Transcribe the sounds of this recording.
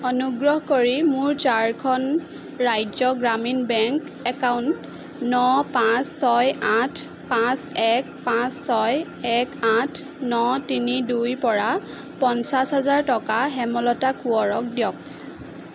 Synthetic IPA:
ɔnuɡɹɔɦkoɹimʊɹt͡ʃaɹkʰɔn | ɹajzɔɡɹaminbɛŋk | ɛkawnt | nɔpãsːɔjatʰ | pãsɛk̚pãsːɔj | ɛkatʰ | nɔtinidujpɔɹa | pɔnsasɦazaɹtɔkaɦɛmɔlɔtakuɔɹɔk̚dijɔk̚

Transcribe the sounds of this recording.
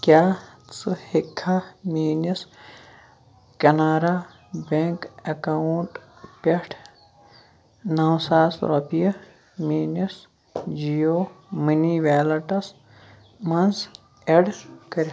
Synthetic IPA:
kjaːt͡sɨhikʰːamiːnis | kɐnaːɾa | beŋkɐkauɳʈpeʈʰ | nawsaːsɾopiɐ | miːnɐs | d͡ʒijoːməniʋaːlɐʈɐs | mɐns | eɖkɐɾʲ

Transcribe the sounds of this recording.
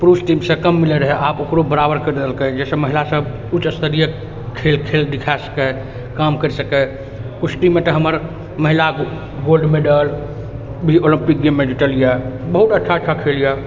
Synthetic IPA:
pɾusʈimsə̃kəmːilɛɾəɦɛʔapokɾobəɾabəɾkəɾd̪əlkɛd͡ʒɛsə̃məɦilasəb | ut͡ʃəst̪əɾijə | kʰelkʰeld̪ɪkʰasə̥kɛ | kamkəɾisəkɛ | kut͡ʃʈimet̪əɦəməɾ | məɦila | ɡolɖmeɖəl | bʱiolimpik̚ɡemːed͡ʒiʈəlijabəɦut̪əʈːt͡ʃʰaəʈːt͡ʃʰakʰelija

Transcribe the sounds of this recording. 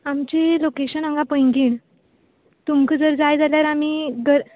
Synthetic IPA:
amt͡ɕilokeɕənəŋɡapəjŋɡiːɳ | t̪umkəd͡zəɾd͡zajd͡zaljaɾamiɡəɾ

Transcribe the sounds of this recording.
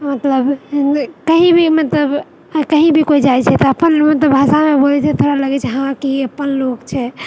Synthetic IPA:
mət̪ləb | kəɦĩbʱimət̪ləb | kəɦĩbʱikoid͡ʒajt͡ʃʰɛt̪ɔəpənlomət̪əbʱasamebolɛt͡ʃʰɛt̪ʰoɾaləɡɛt͡ʃʰɛɦãkiəpːənlokt͡ʃʰɛ

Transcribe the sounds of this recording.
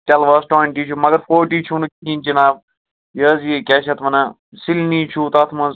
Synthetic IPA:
ʈɛlʋɐːsʈoɳʈiːt͡ʃʰumɐɡɐɾfoːʈiːt͡ʃʰunɨkinʲt͡ʃinaːb | jəːzjikʲɛʃɐt̪ʋɐnɐ | silniːt͡ʃʰut̪ɐt̪ʰmɐnz

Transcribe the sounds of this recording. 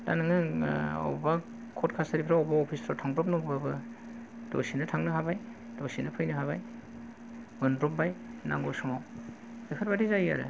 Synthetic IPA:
da̰nɯŋɯa̰wba | kʰɔtkʰasaɾipʰɾaɔwbaɔpʰisɾɔtʰaŋbɾɔp̚nɯɡbabɯ | do̰sinɯtʰaŋnɯhabaj | d̥osinɯpʰɯjnɯɦaβaj | mɯnɾɔmpbajna̰ŋɡosɔŋaw | ekʰɯɾbadizaja̰ɾɯ̰

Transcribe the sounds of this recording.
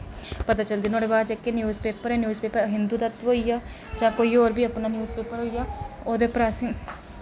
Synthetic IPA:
pət̪aːt͡ʃəld̪iːnoːɽeːbaːd̪d͡ʒeːkenjuːzpeːpəɾɛːnjuːzpeːpəɾɦɪnd̪uːd̪ət̪ɦoːijaː | d͡ʒãːkoːiːoːɾbiːəpnaːnjuːzpeːpəɾɦoːijaːoːd̪eːpɾaːsĩː

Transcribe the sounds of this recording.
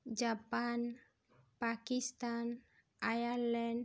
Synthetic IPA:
d͡ʒapan | pakist̪an | ajaɾlɛɳɖ

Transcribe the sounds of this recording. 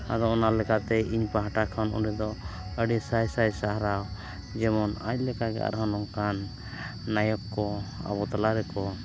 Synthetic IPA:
a̰d̪ɔɔnalɛkat̪ɛʔiɲpaɦaʈakʰanṵɖɛd̪ɔəɖisajsajsaɦɾaw | d͡ʒɛmɔnaɲ̚lɛkaɡɛ̰a̰ɾɦanɔŋkanː | ajɔkkɔa̰bɔt̪alaɾɛkɔ

